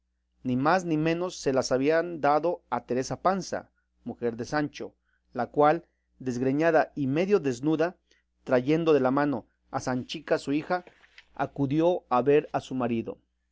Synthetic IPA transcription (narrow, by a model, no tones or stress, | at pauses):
nimaznimẽ̞no̞sːe̞lasaβiand̪aðo̞at̪e̞ɾe̞sapansa̰ | muxe̞ɾðe̞sant͡ʃo̞̰ | lakwal | d̪e̞zɣɾeɲaðaime̞ðjo̞ðe̞znuða | t̪ɾaʝe̞nd̪o̞ðe̞lamano̞ | asant͡ʃikasuixa | a̰kuðjo̞aβe̞ɾasumaɾiðo̞̰